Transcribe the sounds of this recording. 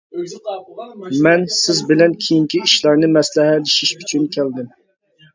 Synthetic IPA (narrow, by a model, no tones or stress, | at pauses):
mɛnsɪzbɪlɛnkʲʰejiŋkʲiiʃlˠɑɾnɨmɛslɛɦɛlɪʃiʃyt͡ʃʰynkʲʰɛld̪ɪm